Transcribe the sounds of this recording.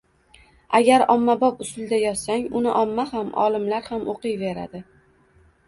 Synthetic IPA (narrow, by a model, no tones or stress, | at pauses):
aɡʲaɾɒmːabɒpʊsʊld̪ajɒt̪saŋʊnɪʔɒmːahamʔɒ̰lɪmlaɾhamoqɨjve̞ɾa̰d̪ɪ